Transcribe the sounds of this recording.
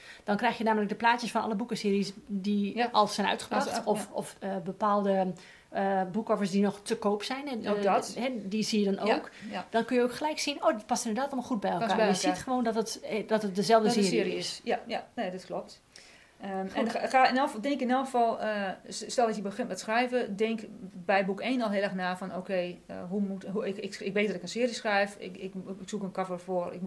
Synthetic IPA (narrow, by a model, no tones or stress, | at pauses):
d̥ɔnkrɛjxjənaːmələk̚dəplaːtjəsfɔnɔ̰ləbukəsɪːɾisdiɔlˠsɛjnœ̰ɥtχə̥paktɔfɔfəbəpaːlˠdə | bukɔfərsdinɔxtəkoːpsɛjnɦɛdisijədɔnowkd̥ɔnkønjəowkxəlɛjksinoːdtpastɪnədaːtɔlˠmɔlˠxut̚bɛjɛlka̰ːjəsitχəʋoːndɔtətdɔtət̚dəzɛlˠvdəsɪːssɪːriɪsjajaneːdɔtklop̚t | əɛnxaɪnɔlˠəfˠdɪŋkɪnɔlˠxəfɔlˠəstɛlˠdɔtjəbəxɪnt̚mɛttsxrɛjvədɪŋkbɛjbukeːnɔlˠɦɪəlˠɛxnaːfɔnoːkʰejə̰ɦumutɦuɪkɪkʋeːt̚dɔtɪkənsɪːərisxrɛjfɪkɪksukənkɔvərfoərɪ̰k̚m